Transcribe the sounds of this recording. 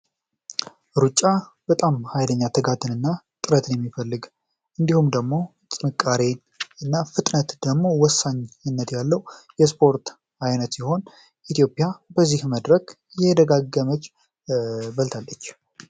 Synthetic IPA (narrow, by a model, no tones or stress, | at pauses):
ɾut͡ʃʼːabət̪ʼamhajd̪əɲːat̪ʰəɡat̪ʰːɨnɨnːa | t̪ʼɨɾət̪ʰɨnjɛmːifəlːɨɡ | ʔɨnd̪ihumd̪əɡmo̞ | t͡sʼɨnɨkʼːaɾe̞ | ɨnːafɨt̪ʼnət̪d̪̥əɡmo̞wɔsːaɲɨnːət̪jalːəwjɛspʰo̞ɾt̪ | ajnət̪siho̞n | ʔit̪ʰijo̞pʼːjabəzːihməd̪ɾək | jɛd̪əɡaɡːəmət͡ʃː | bəlt̪ʰalːət͡ʃː